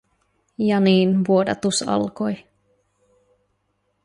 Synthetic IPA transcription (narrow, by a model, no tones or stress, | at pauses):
jɑniːnʋuodɑ̰t̪usɑ̰lko̞j